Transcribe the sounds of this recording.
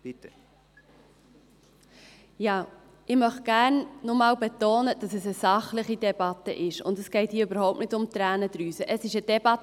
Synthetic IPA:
jɑː | ɪmœχ̚ɡ̥æɾnnɔmɑːwbɛt̪oːnəd̥ɑsəsəsɑχlɪχidɛbɑt̪ːə̰ʔɪʃʊ̰ndəsɡ̥ɛɪthiːøbəɾhoʊp̚tnɪtʊmt̪ɾæːnəd̥̪ɾyːsəʔəsɪʃəd̥ɛb̥ɑt

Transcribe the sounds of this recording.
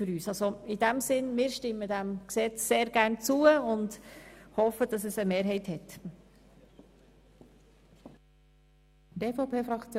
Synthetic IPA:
ʏɾyːsɑlsoɪd̥æmsɪnmɪːɾʃtɪmːədæmksɛt͡sːeːɾɡ̥æʁnt͡suːəʊndhɔfəd̥ɑs̬əsəmeːɾɦɛɪthɛt | d̥eːfopʰeːfɾɑkt͡sj

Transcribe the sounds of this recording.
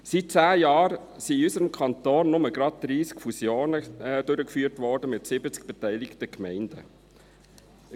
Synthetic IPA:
sit̚t͡sæːjɑːɾ | siysəɾəmkʰɑntoːnːʊməɡɾɑd̚d̥ɾiːskfusjoːnəd̥øɾəkfyːəɾtvɔɾdəmɪtsɪbət͡sk̚b̥etæɪlɪktəkmɛɪnd̥ə̰

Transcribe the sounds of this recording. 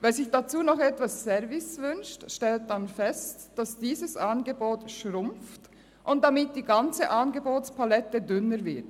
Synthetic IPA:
vɛːzɪçd̥at͡suːnɔχɛtv̥asːɛvɪsvʏnʃtʃtɛlt̚d̥anfɛstd̥asd̥iːzəsʔanɡəboːtʃʁʊmft | ʔʊnt̚d̥amɪt̚d̥iːɡant͡səʔaːnɡəboːt͡spalɛtədʏnəɾvɪɐt

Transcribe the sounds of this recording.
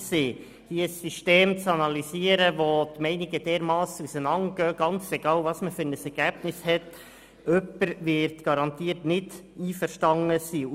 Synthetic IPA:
siː | hiːəsːyʃteːmt͡sɑnɑlisiːəɾəʋot̪mɛɪnɪɡəd̥ɛːɾmɑːsusənɑŋɡ̥œːɡ̥ɑnt͡sɛɡ̥ɑːlvɑsməfyɾnəsɛɾɡ̥æːb̥nɪshɛt | œpːəɾʋɪɾtɡ̥ɑɾɑnt̪iːtnɪdiːfəɾʃtɑŋəsiː

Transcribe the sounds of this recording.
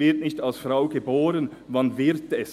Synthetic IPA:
ɪɐtnɪçtalsfʁaʊɡəboːɾən | vɑnvɪʁtɛs

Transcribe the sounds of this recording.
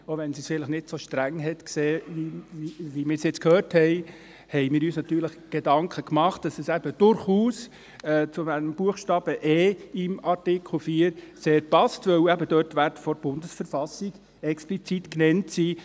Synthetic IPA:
oʋɛnsisfɪləχnɪtsoʃtɾæŋɦɛt̪kseːʋiivimɪːɾsjɛt͡skʰhøːɾthɛɪ | hɛɪmɪːɾyːsnɑt̪yːɾləχɡ̥edɑŋkʰəkmɑχt̚d̥ɑsɛsæb̥əd̥ʊɾχuːs | ɛːt͡sʊmænəmb̥uəχʃtɑːb̥əʔɛːɪmɑɾtɪkʰl̩fiːəɾseːɾpɑstʋœwæbədœtʋærtfɔɾb̥ʊndəsfəɾfɑsiɡ̥ | ɛksplit͡sitknɛntsiː

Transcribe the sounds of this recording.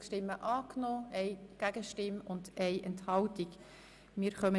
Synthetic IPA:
ʃtɪmːəʔɑːknoːɛɪɡ̥æɡəʃtɪmʊndɛɪʔɛnthɑltik | mɪːɾχœmə

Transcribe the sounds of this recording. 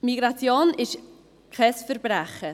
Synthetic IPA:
miɡɾat͡sjoːnɪʃ | kʰɛsfəɾbɾɛχə

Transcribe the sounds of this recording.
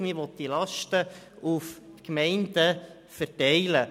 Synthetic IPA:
mɪʋɔt̪d̥̪ilɑʃtə | ufkmɛɪnd̥ə | fəɾtɛɪlə

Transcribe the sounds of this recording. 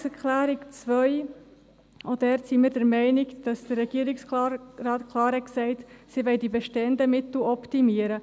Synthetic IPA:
səkʰlæːɾikt͡svœʏ | ʔod̥ɛɾtsimiːɾdæɾmɛɪnɪkd̥ɑsd̥əɾːɛɡ̥iːəɾɪksɾɑːtkʰlɑːɾhɛksɛɪtsiʋɛɪdibɛʃtɛndəmɪt̪l̩ɔptimiəɾə

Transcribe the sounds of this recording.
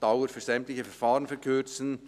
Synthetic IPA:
d̥aʊəɾfyːz̥ɛmtlɪçəfɛɐʁfaːʁənfɛʁkʰøt͡sn̩

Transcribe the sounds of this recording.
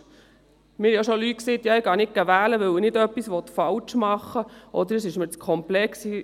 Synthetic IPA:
mɪːɾjoʃɔlyt̚kseːd̪jɑɪɡ̥ɑːnɪkːæʋæːləʋɵwənɪdœpːisʋɔt̪fɑlt͡ʃmɑχːəʔɔd̪əɾəsɪʃməɾt͡skʰɔmplɛksi

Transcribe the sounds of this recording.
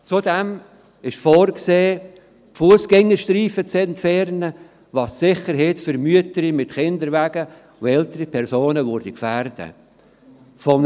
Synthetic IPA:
t͡sudɛm | ɪʃfɔːrkseː | fuəsɡ̥ɛŋːəʃtɾiːfət͡sɛntfɛrnə | vɑːssɪχəɾɦɛtfʏɾmyətəɾimɪtχɪnd̪əɾvæːɡ̥ə | ʊɛltəɾipʰɛɾsoːnəvʊɾdəkfærd̥ə̰ | fɔm

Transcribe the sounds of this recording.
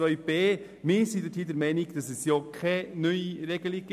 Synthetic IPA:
œʏb̥eː | mɪːɾsidəthiːdəɾmɛɪniɡ̥d̥ɑsɛsjɔkʰɛnyiɾɛɡəliɡ̥

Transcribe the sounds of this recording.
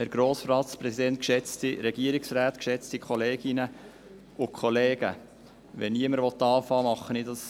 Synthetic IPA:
æɾɡ̥ɾoːsfrɑːt̪spɾɛsid̪ɛnt̚kʃɛt͡stiɾɛɡ̥iəɾɪksɾæːt̪kʃɛt͡stikʰɔleːɡ̥ɪnə | ʊkʰχɔleːɡ̥ə̰ | ʋɛniəməɾvɔt̪ːɑːfɑːmɑχːənɪdɑs

